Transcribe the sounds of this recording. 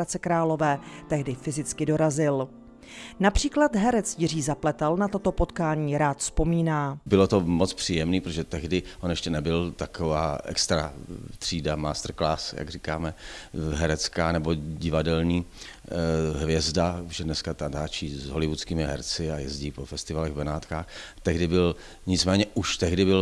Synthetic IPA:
at͡sɛkɾaːlo̞vɛːt̪ɛɦdɪfɪzɪt͡skɪdo̞ɾazɪl | napr̝̥iːklat̪ɦɛɾɛt͡sjɪr̝iːzaplɛt̪alnat̪o̞t̪o̞po̞t̪kaːɲiːɾaːt̪fspo̞miːnaːbɪlot̪omot͡spr̝̥iːjɛmniːpɾot̪oʒɛt̪ɛɦdɪʔonjɛʃcɛnɛbɪlt̪akovaːʔɛ̰kst̪ɾa̰t̪r̝̥iːdamaːst̪r̩klaːsja̰ɡrikaːmɛɦɛɾɛt͡skaːnɛbo̞ɟɪvadɛlɲiː | ɦvjɛzdaʒɛdnɛskat̪ant̪aːt͡ʃiːzɦolɪvut͡skiːmɪɦɛ̰ɾt͡sɪajɛzɟiːpofɛst̪ɪvalɛɣbɛnaːt̪kaːxt̪ɛɦdɪbɪl | ɲɪt͡smɛːɲɛʔuʃt̪ɛɣdɪbɪl

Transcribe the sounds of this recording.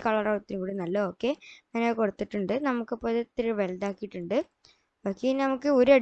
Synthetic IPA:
kɐɭɐrɐwt̪ːinɨkuːɽinɐlːɐoːkːe̞mɐnoːko̞ɽut̪ːiʈːuɳɖɨnɐmukːɐpːolet̪ːiɾuʋeld̪aːkːijiʈːuɳɖɨ | oːkːeinnɐmukːɨoɾuɐɽ

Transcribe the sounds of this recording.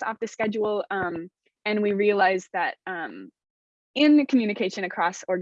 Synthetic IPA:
ɔ̰fðɨskɛd͡ʒul̩ˠʌ̃m | ɨ̃nwiɹiɨlaɪzðɨɾ̚ʌ̃m | ɪ̃nkʰmjʉnɨkʰeɪʃɨ̃ñɨkʰɹ̥ɔsɔɹ

